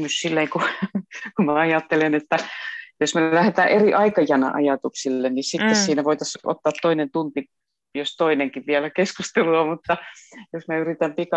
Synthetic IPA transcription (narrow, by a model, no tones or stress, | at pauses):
nyssilːeiŋku | kumæɑjɑt̪ːelenet̪ːæjosmelæhet̪æːʔʔeriʔɑikɑjɑnɑ̰ʔɑ̰jɑt̪uksilːennisit̪ːessiːnæʋoit̪ɑso̰t̪ːɑːt̪toinent̪unt̪i | jost̪oineŋkiʋʋiælækeskust̪eluɑmut̪ːɑjosmæyrit̪æmpikɑ